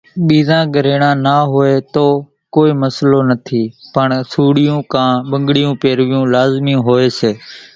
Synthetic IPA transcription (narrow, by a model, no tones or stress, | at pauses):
ɓiːzãːɡəɾeːɽãːnaːɦoeːt̪oː | koːiːməsloːnət̪ʰiːpəɳsuːɽɪjũːkãːɓəŋɡɽɪjũːpeːɾʋɪjũːlaːzmijũːɦoːeːseː